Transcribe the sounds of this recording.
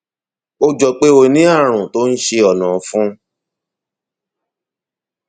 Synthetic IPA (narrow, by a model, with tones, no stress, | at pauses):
o˦d͡ʒɔ˨k͡pe˦o˧nĩ˨˦a˦˨ɾ̃ũ˨to˦n̩˦ʃe˧ɔ˨nɔ̃˨fũ˦